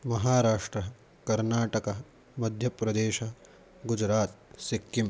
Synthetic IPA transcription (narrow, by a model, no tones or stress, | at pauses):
mɐɦaːɾaːʂʈɾɐ | kɐɾnaːʈɐkɐ | mɐd̪ʱjɐpɾɐd̪eːʃɐ | ɡud͡ʒɾaːt̪̚sikːim